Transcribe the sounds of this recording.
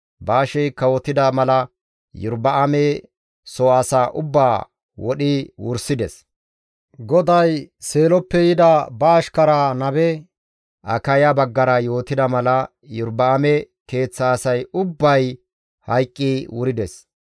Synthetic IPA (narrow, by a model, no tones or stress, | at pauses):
baːʃɛjkːɐwɔt̪ɪd̪ɐmɐlɐ | jʊɾbɐʔɐmɛ | sɔasaːʔʊbːaː | wɔɗɪwʊ̰ɾsɪd̪ɛs | ɡɔd̪ɐjse̞ːlɔpːɛjɪd̪ɐbɐːʃkɐɾanɐbɛ | ʔɐ̰kɐjabɐɡːɐɾɐjo̞ːt̪ɪd̪ɐmɐlɐ | jʊɾbɐːmɛ | ke̞ːt͡sːaːsɐjʊbːɐj | hɐjkʼːiwʊɾɪd̪ɛs